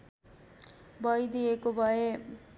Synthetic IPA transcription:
bʱʌjd̪ijekobʱʌe

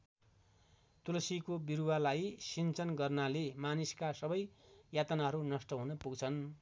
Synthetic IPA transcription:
t̪ulʌsikobiɾuwalajsint͡sʌnɡʌrnalemaniskasʌbʌjjat̪ʌnaɦʌɾunʌsʈʌɦunʌpuɡt͡sʰʌn

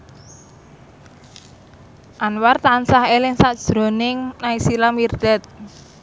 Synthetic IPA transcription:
ʔanwart̪ansahelɪŋsaʔd̥ʒ̥ɾo̤nɪŋnaisilamird̪̥ɛt̪̚

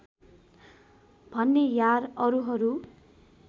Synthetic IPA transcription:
bʱʌnːejarʌɾuɦʌɾu

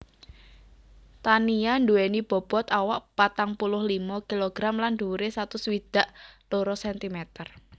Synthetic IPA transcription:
t̪aniand̪uwenib̥ɔ̤b̥ɔt̪awaʔpat̪aŋpulʊhlimɔkiloɡ̥ɾamland̪̥uɾesat̪ʊswid̪̥a̤ʔloɾɔsɛnt̪imɛt̪ər

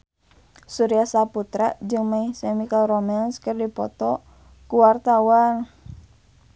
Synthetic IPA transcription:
suɾijasaput̪ɾaʔd͡ʒɨŋmaisemikalromɛnskərdipɔt̪ɔ | kuwart̪awan

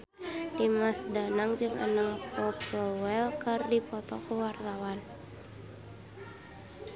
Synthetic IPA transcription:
dimasdanaŋd͡ʒɨŋa̰naŋpɔpwɛlkɨrdipɔt̪ɔ̰kuwart̪awan

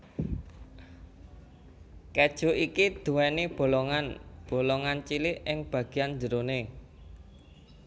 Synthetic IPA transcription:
kɛd̥ʒ̥o̤ʔikid̪̥ṳwɛnib̥o̤lɔŋanb̥o̤lɔŋant͡ʃilɪɪŋb̥ä̤ɡ̥i̤jand͡ʒəɾone

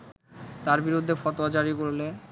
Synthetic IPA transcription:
t̪aɾbiɾud̪ʱːefɔt̪oad͡ʑaɾikoɾle

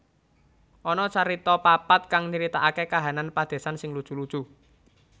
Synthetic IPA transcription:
ʔɔnɔt͡ʃaɾit̪ɔpapat̪̚kaŋniɾit̪aʔakekaɦananpad̪̥e̤sansɪŋlud̥ʒ̥ṳlud̥ʒ̥ṳ

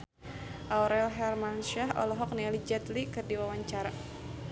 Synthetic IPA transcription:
ʔawɾɛlɦɛrmanʃaɦɔ̰lɔɦɔk̚nialid͡ʒɛt̪likɨrdiwawaɲt͡ʃaɾa

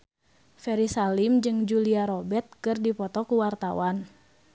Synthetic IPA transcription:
fɛɾisalimd͡ʒɨŋd͡ʒuliaɾɔbɛt̪̚kɨrdipɔt̪ɔkuwart̪awan

